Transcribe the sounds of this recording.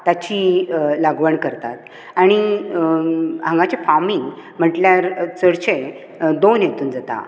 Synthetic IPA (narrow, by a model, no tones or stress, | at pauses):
t̪at͡ɕilaɡʋəɳkəɾt̪a̰t̪ | aɽ̃i | ɦãŋɡat͡ɕefamim̤əʈljaɾt͡səɽt͡ɕe | d̪onjet̪uːnd͡zat̪a̰